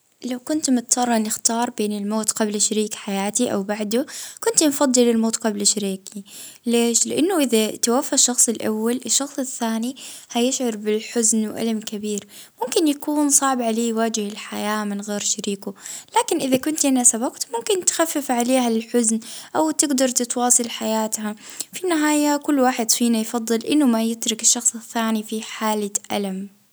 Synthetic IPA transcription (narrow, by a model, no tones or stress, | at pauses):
lawkʊnt̪mʊt̪t̪ɑrˤːɑnɪxt̪ɑːɾˤbeːnɪlmoːt̪ɡablʃaɾiːkħajaːt̪iʔa̰wbaʕd̪ʊkʊnt̪nfɑd̪ˤːɨlɪlmoːt̪qɑblʃaɾiːkileːʃlɪʔanːʊʔɪðat̪awafːaʃːɑxsˤɪlʔa̰wːalʔɪʃːɑxsˤɪθːaːnihajɪʃʕɑɾˤbɪlħʊznwʔa̰lamkɪbiːɾ | mʊmkɪnjakuːnsˤɑʕbʕaleːjwaːd͡ʒɪhɪlħajaːmɪnɣeːɾʃaɾiːkʊlaːkɪnʔɪðakʊnt̪ʔanasabɑqt̪mʊmkɪnt̪xafːɪfʕaleːhaɪlħʊznʔawt̪ɪɡd̪ɑɾˤt̪ɪt̪wɑːsˤɨlħajaːt̪hafinɪɦaːjakʊlːwaːħɪd̪fiːnajfɑðˤːɨlʔɪnːʊmajɪt̪ɾʊkɪʃːɑxsˤɪθːaːnifiħaːlaʔa̰lam